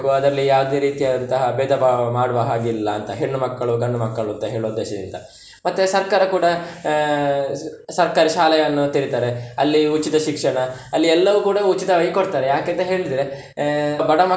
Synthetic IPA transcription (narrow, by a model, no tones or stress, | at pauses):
ɡuɐd̪ɐɾɐlːijaːʋd̪e̞ːɾiːt̪ijad̪t̪ɐɦɐbeːd̪ɐbamaːɽuʋɐɦaːɡilːɐːnt̪ɐɦeɳːumɐkːɐɭuɡɐɳːumɐkːɐɭuɐnt̪ɐɦeːɭoːd̪ːɛːʃɐd̪ḭnd̪ɐ̰ | mɐt̪ːesɐɾkaːɾɐkuːɽɐ | sɐɾkaːɾiʃaːlɐjɐnːut̪iɾit̪aːɾeɐlːiut͡ʃːit̪ɐʃikʂɐɳɐɐlːiɛlːɐʋukuːɽɐut͡ʃːit̪ɐʋɐjkoɽt̪aːɾejaːkɐnt̪ɐɦe̞ːɭid̪ɾe | bɐɽɐmɐ